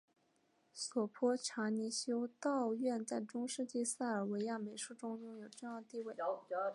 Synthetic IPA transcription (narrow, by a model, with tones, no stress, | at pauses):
swɔ˨˩pʰɔ˥ʈ͡ʂʰa˧˥ni˧˥ɕjo˥ʊt̪ɑ˥˧ʊɥɛ˥˧nt͡sa˥˩ɪʈ͡ʂʊ˥ŋʂɻ̩˥˧t͡ɕi˥˧sa˥˩ə˞˨˩we˧˥ɪja˥˩me˧˥ɪʂu˥˩ʈ͡ʂʊ˥ŋjʊ˥˧ŋjo˨˩ʊʈ͡ʂɤ˥˧jɑ˥˧t̪i˥˧we˥˩ɪ